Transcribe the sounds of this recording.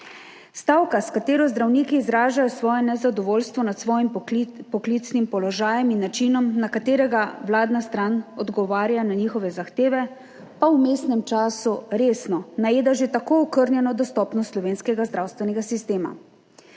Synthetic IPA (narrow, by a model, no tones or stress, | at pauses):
st̪aːwkaskat̪eːɾɔzd̪ɾawniːkiːzɾaːʒajɔsʋɔːjɛnɛzad̪ɔʋoːlst̪ʋɔnat̪sʋɔːjimpɔklit̪snimpɔlɔʒaːjɛminːat͡ʃiːnɔmnakat̪eːɾɛɡaʋlaːd̪nast̪ɾanɔd̪ɡɔʋaːɾjananiːxɔʋɛzaxt̪eːʋɛ | pawmeːsnɛmt͡ʃaːsuɾeːsnɔnajeːd̪aʒet̪akoɔkəɾnjɛnɔd̪ɔst̪ɔːpnɔst̪slɔʋeːnskɛɡazd̪ɾawst̪ʋɛnɛɡasist̪eːma̰